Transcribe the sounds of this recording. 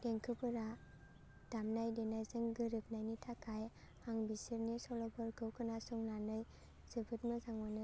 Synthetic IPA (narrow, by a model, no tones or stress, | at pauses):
d̥eŋkʰɯpɯɾa | d̥amnajdenajzɯŋɡɯɾɯp̚najnitʰakʰaj | aŋbisiɾnisɔlɔbɯɾkʰɯwkʰɯnasɔŋnanɯj | z̥ɯbʰʱɯt̚mɯzaŋmanɯ